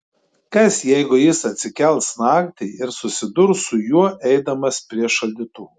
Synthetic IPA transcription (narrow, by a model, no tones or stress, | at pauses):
kɐsjɛɪɡʊjɪsɐt̪ʲsʲɪkʲɛlˠʲt̪snɑːkt̪ʲɛɪɪɾsʊsʲɪd̪ʊɾsʊjuɔʔɛɪd̪ɐmɐspʲɾʲiɛʃɐlʲd̪ʲɪt̪uː